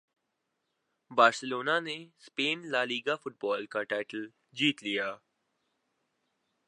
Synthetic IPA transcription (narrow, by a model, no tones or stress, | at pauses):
baːɾsəloːnanespeːnlaːliːɡafʊʈ̚bɔːlkaʈaːɪʈəl | d͡ʒiːt̪lijaː